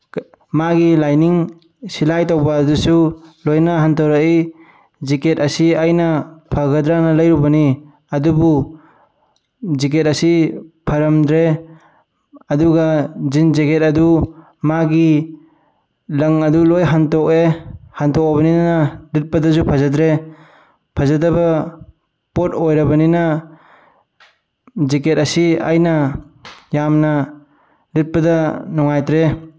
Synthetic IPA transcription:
maɡilajniŋ | silajtawbaːdusulojnaɦantawɾai | ziketɐsiajnapʰaɡadɾanalɐjɾubɐni | ɐdubu | zik̬et̚ɐsipʰɐɾɐmd̪ɾe | ɐduɡazinzeketɐdu | maɡi | lɐŋɐdulojɦantɔk̚ehantɔk̚abɐninanalit̚pɐdɐzupʰazadɾe | pʰazadɐbɐ | pot̚ojɾɐbɐninɐ | ziket̚ɐsiajnɐ | jamnɐ | lit̚pɐdɐnɔŋajtɾe

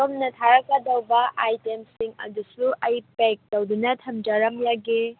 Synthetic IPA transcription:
omnɐtʰaɾɐkːɐdɐwbɐʔajtemsiŋɐ̰d̪usuʔɐjpek̚tɐwdunɐtʰɐmd͡ʒaɾɐmjaɡi

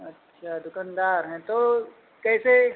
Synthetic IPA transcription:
ɐtːʃʰad̪ʊkand̪aːɾɦɛ̃t̪o | kɛːse

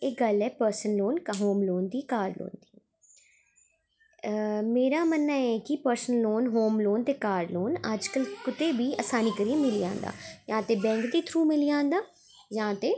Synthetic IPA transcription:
eːkɡəlɛːpəɾsənloːnkɦoːmloːnd̪iːkaːɾlo̰ːnd̪iː | meːɾaːmənːaːɛːkɪpəɾsənloːnɦoːmloːnt̪eːkaːɾloːnəd͡ʒkəlkʊt̪eːʋiːəːsaːniːkəɾiːẽmɪlijã̰ːnd̪a̰ːjãːt̪eːbɛ̃ːŋkd̪iːt̪ʰɾuːmɪlijãːnd̪aː | jãːt̪eː

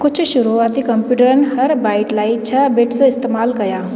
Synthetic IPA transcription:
kʊt͡ʃʰʃʊɾuaːt̪ikɐ̃mpjuːʈəɾənɦɐɾbaːɪʈlaːiɪt͡ʃʰɐbeːʈseɪst̪eːmaːlkɐjaː

